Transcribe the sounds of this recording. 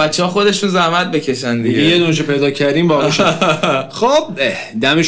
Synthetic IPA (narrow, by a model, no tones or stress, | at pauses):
ætt͡ʃːehɒːxo̞d̪e̞ʃunzæhmæt̪̚becʰe̞ʃænd̪iɟjed̪unʃepʰe̞jd̪ɒːcʰæɾd̪ĩːmbɒɣuʃ | xob̥̚ | d̪æmeʃ